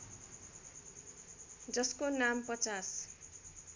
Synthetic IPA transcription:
d͡zʌskonampʌt͡sas

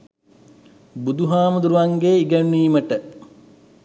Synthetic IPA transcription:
bud̪uɦaːməd̪uɾuʋaŋɡeːiɡəɳːiːməʈə

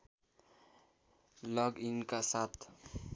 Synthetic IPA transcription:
lʌɡinkasat̪ʰ

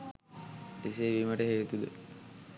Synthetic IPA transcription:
iseʋiməʈəɦeːt̪ud̪ə̰

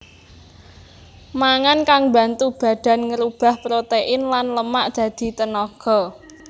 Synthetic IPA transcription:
maŋankaŋba̤nt̪ub̥ä̤d̪̥a̤nŋəɾub̥ä̤hpɾot̪eʔɪnlanləmaʔd̪̥ä̤d̪̥i̤t̪ənɔɡ̥ɔ̤

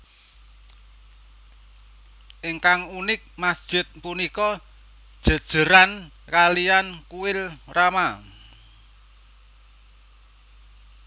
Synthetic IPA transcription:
ʔɪŋkaŋunɪk̚masd̥ʒ̥ɪ̤t̪̚punikɔ | d̥ʒ̥ə̤d̥ʒ̥ə̤ɾan | kaliankuwɪlrama

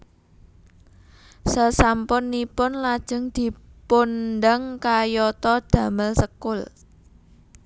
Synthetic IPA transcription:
səsampʊnːipʊnlad̥ʒ̥ə̤ŋd̪̥i̤pondaŋkajɔt̪ɔd̪̥ä̤məlsəkʊl

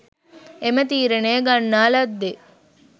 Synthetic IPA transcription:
emət̪iːɾenejɡɐnːaːlɐd̪ːe

